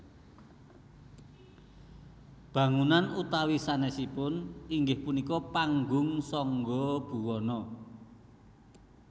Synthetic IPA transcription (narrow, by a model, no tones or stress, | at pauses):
b̥ä̤ŋunanut̪awisanɛsipʊniŋɡɪhpunikɔpaŋɡʊŋsɔŋɡɔb̥ṳwɔnɔ